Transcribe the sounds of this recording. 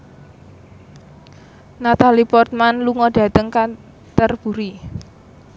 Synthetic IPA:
nat̪alipɔrt̪̚manluŋɔɖ̥ä̤t̪əŋka | t̪ərb̥ṳɾi

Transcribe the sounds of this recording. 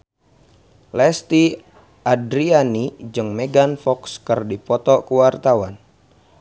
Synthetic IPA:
lɛst̪i | adɾianid͡ʒɨŋmɛɡanfɔkskɨrdipɔt̪ɔkuwart̪awan

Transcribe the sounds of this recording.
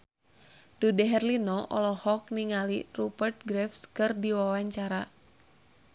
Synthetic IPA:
dudɛɦɛrlinɔʔɔ̰lɔhɔk̚niŋalirupərt̪̚ɡɾɛfskɨrdiwawaɲt͡ʃaɾa

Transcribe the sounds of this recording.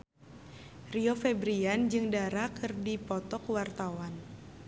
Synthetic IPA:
riofɛbɾiand͡ʒɨŋdaɾakʰɨrdipɔt̪ɔkwart̪awan

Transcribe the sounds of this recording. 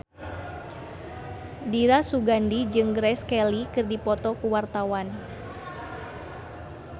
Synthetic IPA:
diɾasuɡandid͡ʒɨŋɡɾɛskɛlikɨrdipɔt̪ɔkuwart̪awan

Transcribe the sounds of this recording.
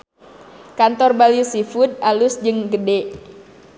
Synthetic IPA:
kant̪ɔrbaljusifud̪̚alʊsd͡ʒɨŋɡəde

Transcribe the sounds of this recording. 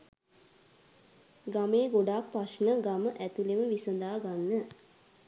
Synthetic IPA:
ɡameːɡoɖaːk̚paʃnəɡaməʔæt̪uleməʋisənd̪aːɡanːə

